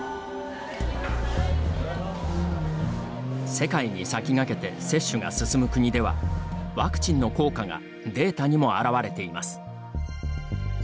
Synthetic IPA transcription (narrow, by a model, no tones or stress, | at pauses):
se̞kaiɲ̟isakʲiŋake̞t̪e̞se̞ɕːɨɡa̰sɨsɨmɯ̟kɯ̟ɲ̟id̪e̞βa̰βakɯ̟̥t͡ɕĩnːo̞ko̞ːkaɡa̰ | d̪e̞ːt̪aɲ̟imo̞aɾaβaɾe̞t̪e̞imasɨ̥